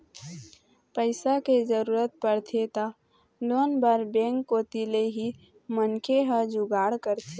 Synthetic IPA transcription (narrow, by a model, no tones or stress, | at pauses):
pəɪsaked͡ʒəɾuːɾət̪̚pəɾt̪ʰet̪a | loːnbaɾbẽːŋkːot̪ileɦi | mənkʰeɦəd͡ʒʊɡaːɽkəɾt̪ʰe